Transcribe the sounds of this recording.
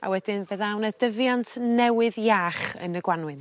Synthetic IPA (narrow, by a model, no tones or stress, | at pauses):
a̰wɛdɪnbeːðawnədəvjantʰnɛwɨðjaːχə̰nəɡwanwɨn